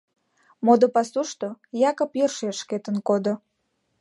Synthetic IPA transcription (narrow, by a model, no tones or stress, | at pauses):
mod̪opɑsuʃt̪ojɑkə̆pjørʃeʃket̪ənkod̪o